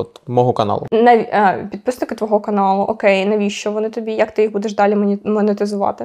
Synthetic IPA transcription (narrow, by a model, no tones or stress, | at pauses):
ɔt̪mɔɦɔkɐnɑ̰lˠʊ̰nɐpʲid̪̚pɪsnɪkɪt̪ʋɔɦɔkɐnɑlˠʊʔɔkɛjnɐʋʲiʃt͡ʃɔʋɔnɪt̪ɔbʲijɐkt̪ɪjiɦbud̪ɛʃd̪ɑlʲimʲmɔnet̪ɪzʊʋɑ̰t̪ɪ